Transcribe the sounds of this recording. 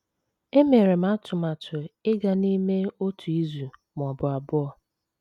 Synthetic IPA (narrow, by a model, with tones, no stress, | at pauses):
e˦me˨ɾe˨m̩˦a˦tʰʊ˨ma˨tʊ˨ɪ˦ɡa˨ni˦me˦o˦tu˨i˦zu˨m˨ɔ˨bʊ˨a˨bʊ˦ɔ˦